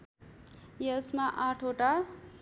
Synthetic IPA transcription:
jesmaʔaʈʰoʈa

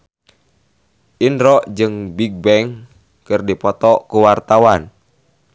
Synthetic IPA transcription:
ʔinɾɔʔd͡ʒɨŋbiɡ̚bɛŋ | kɨrdipɔt̪ɔkuwart̪awan

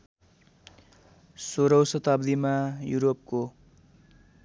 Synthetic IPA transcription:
soɾʌwsʌt̪ʌbd̪imajuɾop̚ko

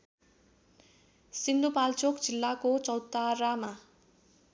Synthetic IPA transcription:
sind̪upalt͡sokd͡zilːakot͡sʌwt̪arama

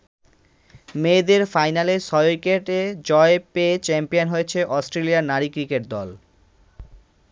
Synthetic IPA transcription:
med̪eɾfajnalesɔjojkeʈed͡ʑɔepeet͡ɕɛmpionɦojet͡ɕʰeʔɔsʈɾeliaɾnaɾikɾikeʈ̚d̪ɔ̰l

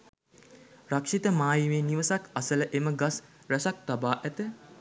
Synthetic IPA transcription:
rakʂit̪əmaːjiʋeːniʋəsakasələʔeməɡas | ɾæsak̚t̪abaːʔæt̪ə

